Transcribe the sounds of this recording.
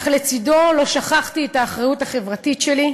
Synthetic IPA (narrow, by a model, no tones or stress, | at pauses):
χlet͡sido̞lo̞ʃaχaχtietaːχʁajutaχe̞vʁatitʃeli